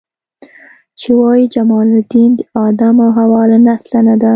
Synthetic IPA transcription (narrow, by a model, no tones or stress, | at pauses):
t͡ʃewɑjid͡ʒamɑːlɪd̪ind̪ɑːd̪amawɦawɑːlanaslanad̪a